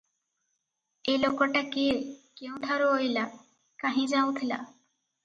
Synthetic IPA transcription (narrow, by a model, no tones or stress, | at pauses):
elokɔʈakekeũʈʰaɾoɦojla | kaɦĩd͡ʒaw̃t̪ʰila̰